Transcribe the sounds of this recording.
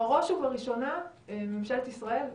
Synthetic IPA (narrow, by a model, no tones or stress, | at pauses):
aʁoʃuvaʁiʃo̞naememʃelt̪isʁae̞l